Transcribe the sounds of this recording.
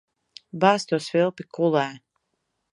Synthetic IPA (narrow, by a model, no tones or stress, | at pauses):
baːst̪uɔsvilˠpikulˠɛː